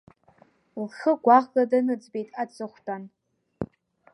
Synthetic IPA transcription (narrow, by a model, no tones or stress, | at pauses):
lχəɡʷaʁladanɨd͡zbe̞jtʼat͡sʰʼɨχʷtʰʼan